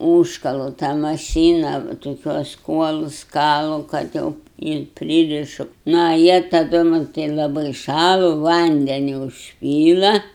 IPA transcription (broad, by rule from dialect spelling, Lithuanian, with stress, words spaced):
ˈuːʃkɐlˠʊ tɑː mɐˈʃʲiːnɐ toːˈkʲuɔs ˈkuɔlˠʊs ˈkɑːlˠʊ kɐt ˈjɛʊ ɪr ˈpʲrʲiːrʲɪʃʊ nɐ ɐ ˈjiɛ tɐˈdʊ mɐn lˠɐˈbɐɪ ˈʃɑːlˠʊ ˈʋɐnʲdʲɛnʲʊ ʊʃʲˈpʲiːlˠɐ